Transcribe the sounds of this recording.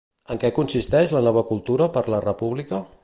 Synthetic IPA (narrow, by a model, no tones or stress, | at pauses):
əŋkɛkunsist̪ɛʃlənɔβ̞əkulˠt̪uɾəpəɾlərəpuβlikə